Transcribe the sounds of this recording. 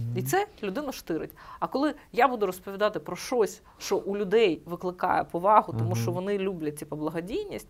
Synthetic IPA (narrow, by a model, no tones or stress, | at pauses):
it̪sɛlʲʊd̪ɪnʊʃt̪ɪɾɪ̰tʲɐkɔlˠɪjabud̪ʊɾɔspɔʋʲid̪ɑt̪ɪpɾɔʃt͡ʃɔsʲ | ʃt͡ʃɔʔulʲʊd̪ɛjʋɪklˠɪkɑ̰jɛpɔʋɑɦʊt̪ɔmuʃt͡ʃɔʋɔnɪlʲublʲɐt͡sʲːipɔblˠɐɦɐdʲijnʲisʲtʲ